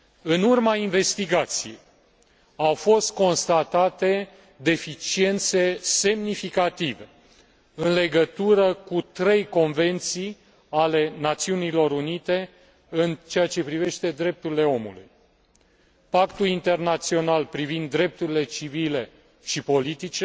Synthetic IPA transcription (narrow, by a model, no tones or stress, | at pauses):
ɨnurmainve̞st̪iɡat̪sije̞̰j | awfo̞st̪̚ko̞nst̪at̪at̪e̞ | d̪e̞fit͡ʃie̞nt̪se̞se̞mnifikat̪ive̞ | ɨnle̞ɡət̪uɾəkut̪ɾe̞jko̞nve̞nt̪sij | ale̞nat̪siunilo̞ɾunit̪e̞ | ɨnt͡ʃeat͡ʃe̞pɾive̞ʃt̪e̞d̪ɾe̞p̚t̪uɾile̞o̞mṵlṵj | pakt̪ulint̪e̞rnat̪sio̞nalpɾivind̪ːɾe̞p̚t̪uɾile̞t͡ʃivile̞ | ʃipo̞lit̪it͡ʃe